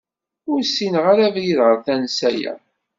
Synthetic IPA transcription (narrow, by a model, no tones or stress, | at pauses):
ʊɾsinʁaɾævjiðʁəɾθænsæjæ̰